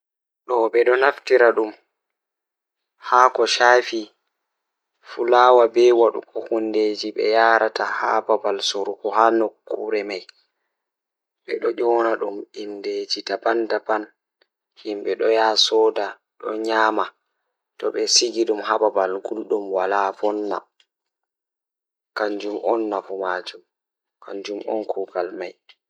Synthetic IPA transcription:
ɗɔbɛɗɔnaftiɾaɗum | hakɔʃaːfi | fulaːwabɛwaɗṵkɔhunded͡ʒiɓɛ̰jaːɾʔataha̰babalsoɾukɔhanokːṵɾɛmaj | ɓɛɗɔʄɔnaɗuminded͡ʒitabandaban | himɓɛɗɔjasɔda | ɗɔɲaːma | tɔɓɛsiɡiɗumhababalɡulɗumwalafɔnːa̰ | kaɲd͡ʒumʔɔnːafɔmaːd͡ʒum | kʰa̰ɲd͡ʒumʔɔ̰nkʰuːɡalmaj

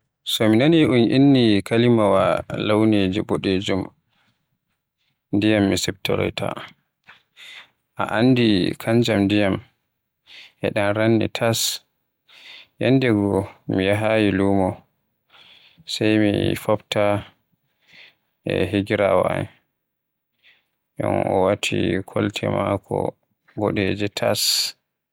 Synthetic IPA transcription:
sɔminoniʔunʔinːikʰalimawalawned͡ʒiboɗed͡ʒum | ndijamːisɛb̚tɔ̰ɾɔ̰jtʰa̰ | ʔa̰ʔandikʰaɲd͡ʒamndijam | ʔɛ̰ɗanɾanːḭtʰas | jɛndɛɡɔmijaɦajilumɔ | sajmifɔbta | ʔɛɦiɡiɾawaan | ɗɔnɔwatʰikʰɔltʰɛmakʰɔ | bɔɗɛd͡ʒɛtʰas

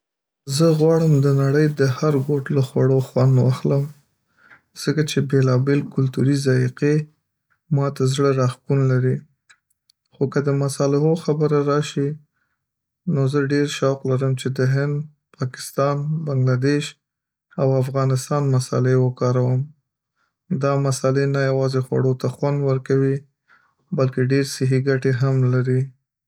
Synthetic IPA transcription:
zəɣwɑɽəmd̪ənaɽəjd̪əhaɾɡoʈləxwaɽoxwand̪waxləm | z̥əkat͡ʃebelɑbelkʊlt̪uɾizaiqe | mɑt̪azɽəɾaxkunlaɾi | xokəd̪əmasɑlɪɦoxabəɾaɾɑʃi | nozəɖeɾʃɑqlaɾəmt͡ʃed̪əɦɪnd̪ | pɑkɪ̥st̪ɑnbaŋɡlad̪eʃ | awafɣɑnɪst̪ɑnmasa̰lewəkɑɾawəm | d̪ɑmasalenajawɑzexwa̰ɽot̪axwand̪wəɾkawi | balkeɖeɾsɪɦiɡaʈeɦamlaɾi

